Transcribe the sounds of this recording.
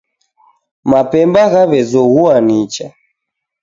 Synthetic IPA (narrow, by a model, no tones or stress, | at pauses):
mapɛmbaɣaβɛzɔɣuanit͡ʃa